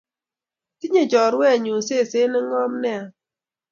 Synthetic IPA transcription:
ti˦ɲe˨d͡ʒɔ˨ɾwɛ˦˨ɲo˨se˦˨se˨˦nɪ˦ŋɔ˦mnɛ˦a˨

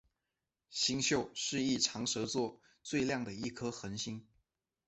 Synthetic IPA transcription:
ɕi˥ŋɕjo˥˧ʊʂɻ̩˥˧i˥˩ʈ͡ʂʰɑ˧˥ŋʂɤ˧˥t͡swɔ˥˧ | t͡swe˥˧ɪljɑ˥˩ŋd̪ə˩i˥˩kʰɤ˥xə˧˥nɕi˥ŋ

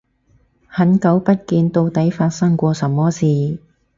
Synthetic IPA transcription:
hɐ˨˥nkɐ˨˥wpɐ˥t̚kiː˧nt̪o˧wt̪ɐ˨˥jfaː˧t̚sɐ˥ŋkʷɔː˧sɐ˨mːɔː˥siː˨˩

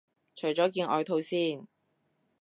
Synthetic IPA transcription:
t͡ʃʰɵ˨˩jt͡ʃɔː˨˥k̬iː˧nʔɔ̰ː˧jt̪ʰo˧wsiː˥n

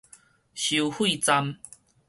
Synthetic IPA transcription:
ɕu˨hwi˥˧˨t͡sa˧m

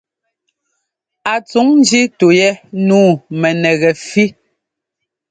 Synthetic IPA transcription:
a˨t͡su˨˦ŋn˦d͡ʒi˦to˨jɛ˦nuː˦˨mɛ˨nɛ˨ɣɛ˨fi˦

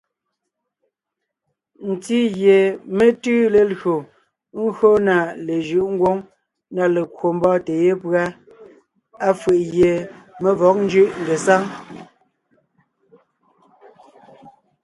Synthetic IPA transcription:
n̩˨ti˦ɣje˨me˦tʉ˦le˨lɣo˨ | ŋ̩˦ɣo˦na˨le˨ʒɯ˦˨ʔŋ̩˦ɡwo˦ŋ | na˦˨le˨kwo˨m˦bɔː˦˨te˨je˦pɰa˦ | a˦fɯ˨ʔɣje˨me˦vɔ˨˦k̚n̩˦d͡ʒʉ˦ʔŋ̩˨ɡe˨sa˦ŋ

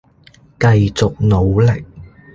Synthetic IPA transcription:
kɐ˧jt͡sʊ˨k̚no˨˧wlɪ˨k̚

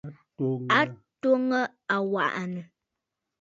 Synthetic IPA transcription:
a˦to˦ŋə˦ | a˨wa̰˨ʔʔa˨nə˨

